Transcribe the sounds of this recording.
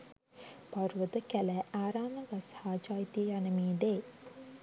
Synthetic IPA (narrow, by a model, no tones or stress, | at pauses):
paɾuʋəd̪əkælæaːɾaːməɡashaːt͡ʃaːjit̪ijanəmiːd̪eː